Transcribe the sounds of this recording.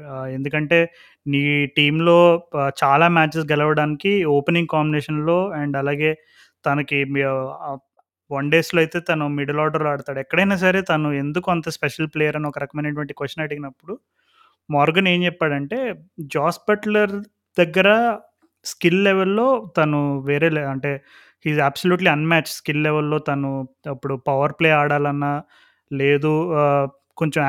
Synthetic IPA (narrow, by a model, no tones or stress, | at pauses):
e̞nd̪ukɐɳʈe̞ː | niːʈiːmlo̞ːt͡ʃaːlaːmaːt͡ʃisɡɛlɐʋɐɽaːnikioːpeniŋɡkaːmbineːʂɐnlo̞ːɛɳɖɐlaːɡe̞ː | t̪ɐnɐki | ʋɐɳɖe̞ːsloːɐjt̪e̞ːt̪ɐnumiɽɐlaːɾɖɐɾloɐːɽut̪aːɽɛkːɐɽɐjnaːs̬ɐɾe̞ːt̪ɐnuend̪ukuɐnt̪ɐspɛʂɐlpleːjɐɾɐniɔkɐɾɐkɐmɐjnɐʈ̬uʋɐɳʈikʋɐsʈːɐnɐɽiɡinɐpːuɽu | mɔːɾɡɐne̞ːɲt͡ʃɛpːaːɽɐɳʈe̞ːd͡ʒaːspɐʈlɐɾ | d̪̥ɐɡːɐɾɐ | skilːɛʋelːo̞ːt̪ɐnuʋeːɾeːlɐɳʈe̞ː | hiːzaːbsoljuːʈliɐnmæːt͡ʃskilːɛʋelːo̞ːt̪ɐnuɐpːuɽupɐʋɐɾpleːaːɽaːlɐnːaː | leːd̪u | ko̞ɲt͡ʃɐm